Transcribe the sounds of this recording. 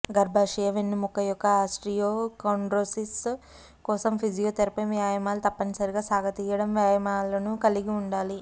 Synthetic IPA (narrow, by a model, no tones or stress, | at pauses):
ɡɐɾbʱaːʂɐjɐʋenːimukːɐjɔkːɐaːsʈɾijoːkɐwɳɖɾoːsis | kɔːsɐmpʰid͡ʒijoːt̪eɾɐpɐʋjaːjɐmaːlut̪ɐpːɐnisɐɾiɡaːsaːɡɐt̪iːjɐɽɐmʋjaːjɐmaːlɐnukɐliɡiuɳɖaːli